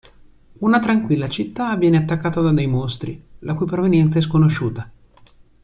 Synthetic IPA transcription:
unat̪ɾaŋkwilːat͡ʃit̪ːavːjɛːneat̪ːakːaːt̪ad̪ad̪ejmost̪ɾilakujpɾovenjɛnt̪saɛs̬konoʃuːt̪a

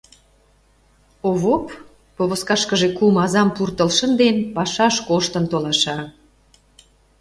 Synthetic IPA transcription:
oβopː | oβoskɑʃkəʒekumɑzɑmpurt̪əlʃənd̪enpɑʃɑʃkoʃt̪ənt̪olɑʃɑ

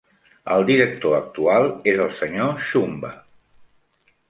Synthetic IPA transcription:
ə̰lˠd̪iɾək̚t̪oək̚t̪ualˠezəlˠsəɲoʃumbə

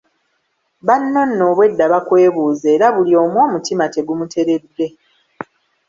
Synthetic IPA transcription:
βanːo̞nːo̞ːβwe̞dːaβakwe̞ːβuːzeːɾaβulio̞ːmwo̞ːmutimate̞ɡumutʰe̞ɾe̞dːe̞

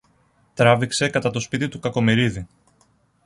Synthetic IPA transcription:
t̪ɾɐvikse̞kɐt̪ɐt̪o̞spit̪it̪ukɐko̞miɾiði

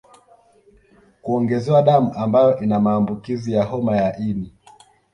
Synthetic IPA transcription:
kuɔŋɡɛzɛwaɗamuʔambajɔʔinamaːmbukizijaɦɔmajaʔili

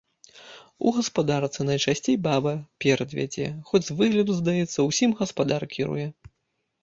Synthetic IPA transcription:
ṵɣɐspad̪art̪sɨnɐjt͡ʂasʲt͡sʲejbabɐpʲɛɾɐd̪vʲa̰d͡zʲɛ̰xɔd͡zʲvɨɣlʲɐd̪zd̪ajɛt̪sːɐwsʲimɣɐspad̪arkʲʰiɾṵjɛ

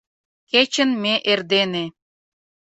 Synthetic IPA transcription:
ket͡ɕənmeʔerd̪ene

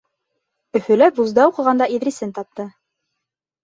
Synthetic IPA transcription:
ɵ̆fɵ̆læpbuzd̪ɑuqɤ̆ʁɑnd̪ɑiðɾisɘnt̪ɑp̚t̪ɤ

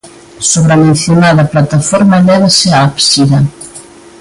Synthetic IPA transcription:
soβɾamẽn̟θjonaðɐplat̪afɔɾmaelɛβaseaapsiða

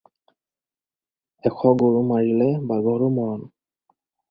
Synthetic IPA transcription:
ɛkʰɔɡoɹumaɹilɛbaɡɔɹumɔɹɔn

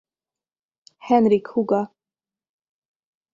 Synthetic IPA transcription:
hɛnɾɪkhuɡa

